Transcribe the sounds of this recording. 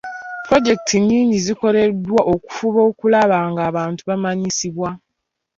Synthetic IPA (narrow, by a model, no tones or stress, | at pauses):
pɾo̞ɟe̞k̚tʰiɲːiːɲɟiziko̞ɾe̞dwaʔo̞ku̥fuβo̞ːkulaβaːŋɡaːβaːntuβamaɲisiβwa